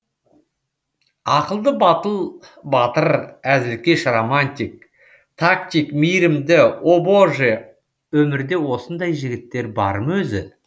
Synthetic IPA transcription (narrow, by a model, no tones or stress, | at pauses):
ɑqəlˠd̪əbɑt̪əlˠ | bɑt̪əɾæzɪɾkʲe̞ʃromanʲt̪ʲik̚ | t̪ʰak̚t̪ʲikmijɾɪmd̪ɪo̞bo̞ʒe | wɵmɪɾd̪e̞wo̞sənd̪ɑjʒɪɡʲɪt̪ːe̞ɾbɑ̰ɾəmwɵzɪ̰